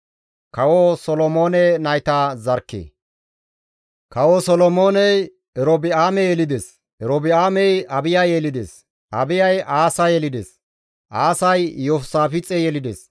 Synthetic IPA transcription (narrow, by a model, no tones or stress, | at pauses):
kɐwosɔlɔmoːnɛnɐjt̪aːzɐɾkːḛː | kɐwosɔlɔmoːnɛj | ɛɾobɪaːmɛjɛlɪd̪es | ɛɾobɪaːmɛjɐbɪjajɛlɪd̪ḛːs | ʔɐbɪjɐjʔaːsɐjɛlɪd̪ḛs | ʔaːsɐjjosaːfɪt͡sʼɛjɛlɪd̪ḛːs